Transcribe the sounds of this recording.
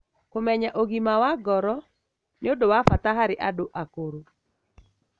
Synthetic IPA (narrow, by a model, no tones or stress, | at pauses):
komɛɲaʔoɡimawaɡɔɾɔ | nɪodowafat̪aɦaɾɪʔadoʔakoɾo